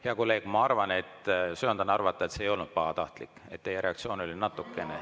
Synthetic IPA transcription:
heɑkolːe̞ːɡ̥mɑɑrvɑne̞t̪ːˑsøond̪̥ɑnɑrvɑt̪ːˑɑet̪seːjo̞lnud̪̥̚pɑhɑt̪ɑht̪likːe̞t̪ːejeɾe̞ɑkt̪sio̞ːno̞lʲinɑt̪ːˑukːˑe̞ne

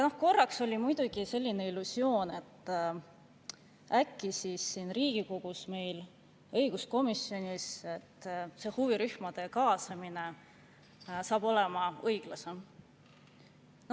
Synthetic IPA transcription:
ɑno̞hko̞rːɑkso̞lʲimujd̪̥uɡ̥ise̞lʲːine̞ilːusjo̞ːne̞t̪ː | ækːisisːiːnriːɡ̥iko̞ɡ̥usme̞jl | ɤjɡ̥usko̞misːjo̞nʲiset̪ːse̞ːhuviɾyhmɑd̪̥e̞kɑːsɑmine | sɑːb̥o̞le̞mɑɤjɡ̥lɑsem

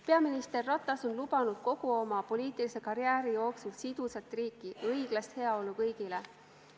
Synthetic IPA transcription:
pe̞ɑminist̪e̞rːɑt̪ːˑɑso̞nlub̥ɑnud̪̥̚ko̞ɡ̥uo̞mɑpo̞liːt̪ilise̞kɑɾjæːɾijo̞ːksulsid̪̥usɑt̪ːˑriːkːˑiɤjɡ̥lɑst̪he̞ɑo̞lukɤjɡ̥ile

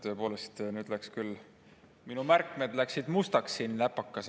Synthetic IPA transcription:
t̪ø̞ːpo̞ːle̞st̪nyːd̪lækskylː | minumærkːˑmed̪̥læksid̪̥must̪ɑksːinːlæpːˑɑkˑːɑs

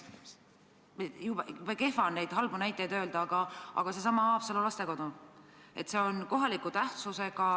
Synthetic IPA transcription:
ejub̥jub̥eke̞fɑnːejd̪̥ɦɑlbunæjt̪ːˑejd̪ø̞ːld̪ɑɑɡ̥ɑʔɑ̰ɡ̥ɑse̞s̬ɑmɑɑːpselolɑst̪e̞ko̞d̪̥u | e̞t̪se̞o̞nko̞ɦɑlikut̪æht̪suse̞ɡ̥ɑ

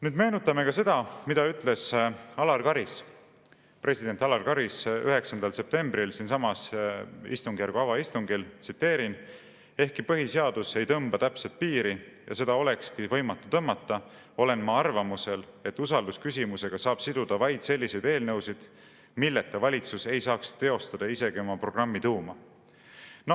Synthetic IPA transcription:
nyːd̪me̞ːnut̪ːˑɑme̞kɑse̞d̪̥ɑmid̪̥ɑyt̪ˑle̞sɑlɑrkɑɾis | pre̞sʲid̪̥e̞nt̪ɑlɑrkɑɾisyɦe̞ksɑnd̪ɑlse̞p̚t̪e̞mbɾilsiːnsɑmɑsḭst̪uŋɡ̥jærɾɡ̥uɑvɑist̪uŋɡ̥ilt̪sit̪ːe̞ːɾin | e̞hkipɤɦiseɑd̪̥use̞jt̪ɤmb̥ɑt̪æpset̪̚piːɾi | jɑse̞d̪̥ɑo̞le̞kskivɤ̞jmɑt̪ˑːu̥t̪ɤmːɑt̪ːɑ | o̞le̞nmɑɑrvɑmuse̞le̞t̪ːˑusɑld̪uskysʲimuse̞ɡ̥ɑsɑːb̥sid̪̥ud̪̥ɑvɑjd̪̥se̞lːise̞jd̪̥e̞ːlnɤwsid̪̥ | milːet̪ːevɑlʲit̪suse̞jsɑːkst̪e̞o̞st̪ɑd̪̥ɑise̞ɡiomɑpro̞ɡ̥rɑmːit̪uːmɑ | n

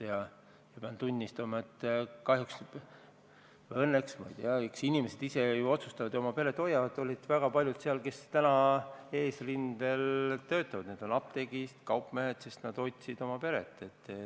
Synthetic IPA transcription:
jɑ | jɑpeɑnt̪ːunʲːist̪ɑmɑet̪ːkɑhjuks | ɤnːeksmɑ̰jt̪eɑyksinʲimese̞d̪̥ise̞juo̞t̪sust̪ɑvɑd̪̥o̞mɑpe̞ɾe̞t̪ːˑo̞jːɑvɑd̪ˑo̞lʲid̪̥væɡ̥ɑpɑlʲjud̪̥seɑlke̞st̪ænɑe̞ːsrind̪̥e̞lt̪ø̞ːt̪ːˑɑvɑd̪̥ned̪̥o̞nɑpt̪e̞ɡ̥ist̪kɑwpmehet̪se̞st̪nɑd̪̥o̞jt̪ʲsid̪̥o̞mɑpe̞ɾe̞̰t̪ːˑe̞t̪ː

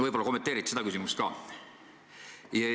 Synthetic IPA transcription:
vɤjbo̞lɑko̞mːet̪eːɾit̪ːsed̪ɑkysimust̪kɑ̰ː | jɑ

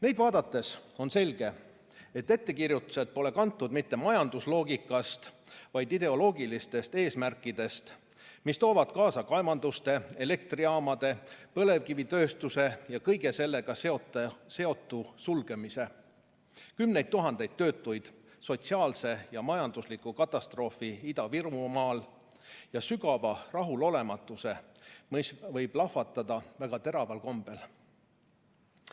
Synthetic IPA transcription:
ne̞jd̪̥vɑːd̪ɑt̪ːˑe̞so̞nse̞lʲɡ̥e̞ | e̞t̪ːe̞t̪ːe̞kirjut̪ːˑu̥se̞d̪̥̚po̞le̞kɑnt̪ːud̪̥mit̪ːe̞mɑjɑnd̪̥uslo̞ːɡikːˑɑst̪vɑjd̪id̪e̞o̞lo̞ːɡilist̪e̞st̪e̞ːsmærkˑːid̪̥e̞st̪ | mist̪o̞ːvɑd̪̥̚kɑːsɑkɑevɑnd̪ust̪e̞e̞le̞k̚t̪riɑːmɑd̪̥e̞pɤ̞le̞vkivit̪ø̞ːst̪use̞jɑkɤjɡe̞se̞lːe̞ɡ̥ɑseot̪se̞o̞t̪ːˑusulɡ̥e̞mise̞ | kymne̞jd̪̚t̪ːuɦɑnd̪̥e̞jd̪̥̚t̪ːø̞ːt̪ˑːujd̪̥ | so̞t̪siɑːlse̞jɑmɑjɑnd̪uslikˑukɑt̪ːˑɑst̪ro̞ːfiid̪ɑvirmumɑːl | jɑsyɡɑvɑrɑɦulo̞le̞mɑt̪ːˑuse̞msvɤjb̥lɑfɑt̪ːˑɑd̪̥ɑvæɡ̥ɑt̪e̞ɾɑvɑlko̞mb̥e̞l

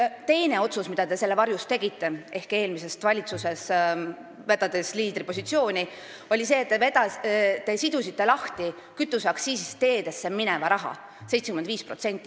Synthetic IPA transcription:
t̪e̞jne̞o̞t̪susmid̪̥ɑd̪e̞se̞lːevɑrjust̪e̞ɡit̪ːe̞ʔe̞hke̞ːlmise̞st̪vɑlʲit̪suse̞s | vet̪ːɑd̪e̞sliːd̪ɾipo̞sit̪sio̞ːnʲi | o̞lʲise̞ːt̪ːevet̪ɑt̪ːe̞sid̪usit̪ːˑe̞lɑht̪i | kyt̪ːˑusɑksiːsist̪e̞ːd̪e̞sːeminɛvɑɾɑɦɑ̰ | sejt̪sekymend̪viːspro̞t̪se̞nt̪ˑːi

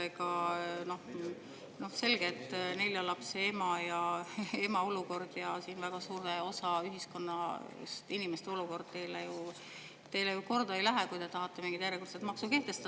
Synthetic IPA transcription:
eɡɑno̞h | no̞hse̞lɡ̥et̪ˑːne̞ljɑlɑpseemɑjɑe̞mɑo̞luko̞rd̪̥jɑsiːnvæɡ̥ɑsuːɾeo̞sɑyɦisko̞nːɑ | st̪inimest̪eo̞luko̞rd̪̥̚t̪e̞jleju | t̪e̞jlejuko̞rd̪̥ɑejlæɦekujd̪e̞t̪ɑɦɑt̪ːˑe̞miŋɡit̪jæreɡust̪et̪mɑksuke̞ht̪e̞st̪ɑ

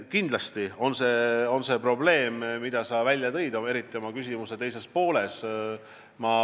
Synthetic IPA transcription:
kind̪̥lɑst̪io̞nse̞o̞nse̞pro̞ble̞ːmmid̪̥ɑsɑvælʲːjɑt̪e̞jd̪ɑeɾit̪ːˑio̞mɑkysʲimuse̞t̪e̞js̬e̞spo̞ːle̞s | mɑ

